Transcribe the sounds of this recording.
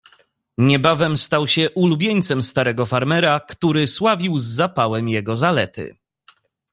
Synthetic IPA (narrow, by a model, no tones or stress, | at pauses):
ɲɛbavɛmst̪awɕɛʔulubʲjeɲt̪sɛmst̪aɾɛɡɔfaɾmɛɾakt̪uɾɘswavʲiwzːapawɛmjɛɡɔzalɛt̪ɘ̰